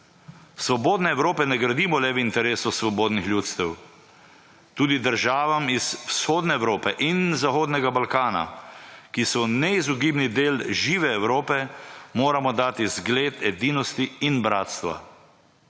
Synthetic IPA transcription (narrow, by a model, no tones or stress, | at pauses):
sʋɔboːd̪nɛːwɾoːpɛnɛɡɾad̪iːmɔlɛʋint̪ɛɾeːsɔsʋɔboːd̪nixljuːt̪st̪ɛw | t̪uːd̪id̪əɾʒaːʋamizwsxoːd̪nɛːwɾoːpɛʔinzaxoːd̪nɛɡabalkaːna̰kisɔnɛizuɡibnid̪eːlʒiːʋɛːwɾoːpɛmoːɾamɔd̪aːt̪izɡleːt̪ɛd̪iːnɔst̪iinbɾa̰ːt̪st̪ʋa̰